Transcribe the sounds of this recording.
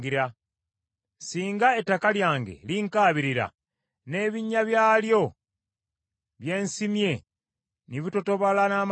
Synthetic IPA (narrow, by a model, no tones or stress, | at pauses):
ɡiɾa | siːŋɡaetːakaljaːŋɡe̞̰liŋkaːβiɾiɾa̰ | ne̞ːβiɲːaβjaːljo̞ | βje̞ːnsimje̞ | niβitotoβalanaːm